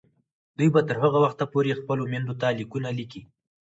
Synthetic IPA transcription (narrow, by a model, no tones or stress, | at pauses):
d̪ujbat̪əɾhaɣawaxt̪apoɾexpəlomand̪ot̪alikunaliki